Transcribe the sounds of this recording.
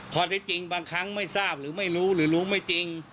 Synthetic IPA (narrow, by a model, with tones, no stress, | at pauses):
kʰɔː˨˧˦t̪ʰa˧˦˥t͡ɕi˧ŋbaː˧ŋkʰa˦˥ŋma˥˩jsaː˥˩p̚ɾɯː˩˦ma˥˩jɾuː˦˥ɾɯː˩˦ɾuː˦˥ma˥˩jt͡ɕi˧ŋ